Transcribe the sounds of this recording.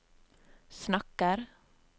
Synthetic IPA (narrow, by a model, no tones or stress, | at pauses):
snɑkəɾ